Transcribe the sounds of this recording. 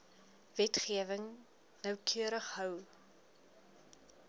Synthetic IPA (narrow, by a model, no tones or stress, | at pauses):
vɛtχiəvəŋ | nəwkʰyəɾəχɦœw